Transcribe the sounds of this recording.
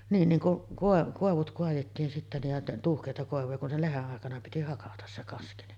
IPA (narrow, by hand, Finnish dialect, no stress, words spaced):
niːn niŋ kuʔ koˑeʋ koˑeʋut koɑjetːiːn sitːæ nij jɑ tuːhkeˑitɑ koˑeʋujɑ kun se leheʔ ʔɑˑekɑnɑ piti hɑkɑtɑs se kɑski ni